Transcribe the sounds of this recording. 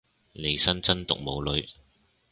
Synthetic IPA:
ne˨˧jsɐ˥nt͡sɐ˥nt̪ʊ̰˨k̚mo˨˧wlɵ˨˧ɥ

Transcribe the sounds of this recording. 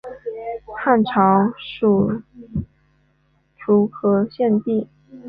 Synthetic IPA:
xa˥˩nʈ͡ʂʰɑ˧˥ʊʂu˨˩ | ʈ͡ʂʰu˧˥kʰɤ˧˥ɕjɛ˥˧nt̪i˥˩

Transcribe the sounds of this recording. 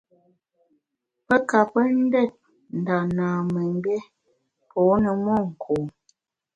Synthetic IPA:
pə˦ka˨pə˦n̩˦dɛ˦˨t̚ | n̩˨da˨naː˨mə˨m˦bɛ˦ | pʰɔː˨˦nə˨mɔ˦˨ŋ̩˨kʰoː˨

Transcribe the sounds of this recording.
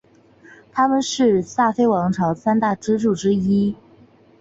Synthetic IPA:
t̪ʰa˥mə˨nʂɻ̩˥˧sa˥˩fe˥ɪwɑ˧˥ŋʈ͡ʂʰɑ˧˥ʊsa˥nt̪a˥˩ʈ͡ʂɻ̩˥ʈ͡ʂu˥˩ʈ͡ʂɻ̩˥i˥

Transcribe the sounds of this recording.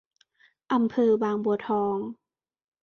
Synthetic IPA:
ʔa˧mpʰɤː˧˩baː˧ŋbu˧˩˦t̪ʰɔː˧˦ŋ

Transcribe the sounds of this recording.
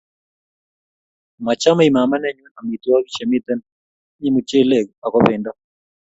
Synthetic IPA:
ma˨t͡ʃa˦ma˦i˨ma˨ma˦nɛ˦ɲwu˦na˨mi˨t̪wa˦ki˦t͡ʃɛ˨mi˦t̪ɛ˦n | ɲi˦mu˨t͡ʃe˦lɛ˦˨ka˨kɔ˦βe˨nda˦

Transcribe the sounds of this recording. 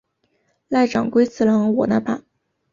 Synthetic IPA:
la˥˩ɪʈ͡ʂɑ̰˨˩ŋkwe˥ɪt͡sʰɹ̩˥˩lɑ˧˥ŋwɔ˨˩na˥˧˩pʰa˥˦

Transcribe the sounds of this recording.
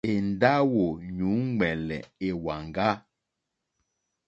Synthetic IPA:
e˨n˨da˦wo˨ɲu˨˦ŋ͡mɛ˨lɛ̰˨e˨wa˨ŋɡa˦

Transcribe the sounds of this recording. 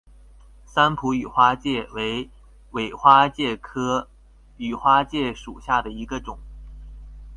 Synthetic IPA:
sa˥npʰu˧˥y˨˩xwa˥t͡ɕjɛ˥˩we˧˥ɪ | we˨˩ɪxwa˥t͡ɕjɛ˥˩kʰɤ˥ | y˨˩xwa˥t͡ɕjɛ˥˩ʂu˨˩ɕja˥˩d̪ə˩i˧˥ɡə˧ʈ͡ʂʊ˨˩˦ŋ

